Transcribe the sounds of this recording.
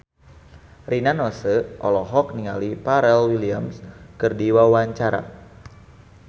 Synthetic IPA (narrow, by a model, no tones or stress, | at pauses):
rinanɔsəʔɔlɔɦɔk̚niŋalipaɾɛlwiliamskərdiwawaɲt͡ʃaɾa̰